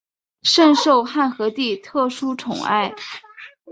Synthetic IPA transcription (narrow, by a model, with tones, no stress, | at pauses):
ʂə˥˧nʂo˥˧ʊxa˥˩nxɤ˧˥t̪i˥˩t̪ʰɤ˥˩ʂu˥ʈ͡ʂʰʊ˨˩ŋa̰˥˩ɪ